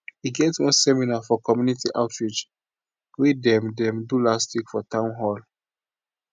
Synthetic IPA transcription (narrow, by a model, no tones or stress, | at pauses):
hiɡɛtwɔ̃nsɛminafɔkɔmjunitiʔaʊtɹid͡ʒ | widɛ̃mdɛ̃mdulastikfɔtãʊ̃nɦɔl